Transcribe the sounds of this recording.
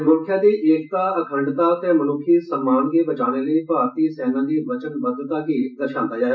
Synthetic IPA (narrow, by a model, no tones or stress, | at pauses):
mʊ̃kʰjãd̪iʔeːk̚t̪aɐkʰə̃ɳɖt̪aːkẽmɐnʊkʰisə̃mːaːnkebɐt͡ʃaːneləipaːɾt̪isɛːnad̪iʋɐt͡ʃənbəd̪ːət̪akid̪əɾʃãːnt̪aːjaː